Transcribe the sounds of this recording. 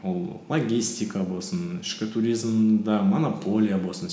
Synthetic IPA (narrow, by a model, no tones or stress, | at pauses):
wolˠlˠoɡʲisʲt̪ʲikɑbo̞lˠsənɪʃkʲɪt̪ʰuɾʲizmd̪ɑmonopʰo̞lʲijabosən